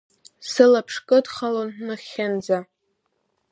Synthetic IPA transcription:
sɨlapʰʂkʼɨdχalonnɨχʲand͡za

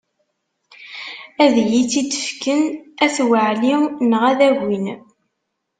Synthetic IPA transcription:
æðjit͡sːid̪ə̥fkənæθwəʕlinəʁæðæʝin

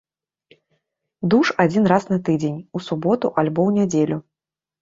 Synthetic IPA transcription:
d̪uʂad͡zʲinɾasnɐt̪ɨd͡zʲenʲusubɔt̪uʔalʲbɔwnʲad͡zʲelʲu

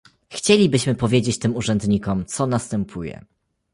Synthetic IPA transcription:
xt͡ɕelʲibɘɕmɘpɔvʲjed͡ʑet͡ɕt̪ɘmuʐɛnd̪ɲikɔmt̪sɔnast̪ɛmpʰujɛ̰

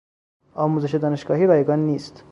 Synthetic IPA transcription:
ɒːmuːzeʃed̪ɒːneʃɡɒːɦiːɾɒːjeɡɑːnːiːst̪

